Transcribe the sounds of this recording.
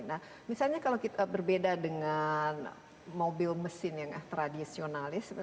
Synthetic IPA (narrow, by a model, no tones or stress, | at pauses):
na | misalɲakalawkit̪abərbedadəŋan | mobɪlməsɪnjaŋaht̪ɾadisionalɪs